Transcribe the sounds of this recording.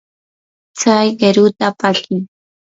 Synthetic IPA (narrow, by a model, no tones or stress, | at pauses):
t͡sajɢeɾʊt̪apaɬɪŋ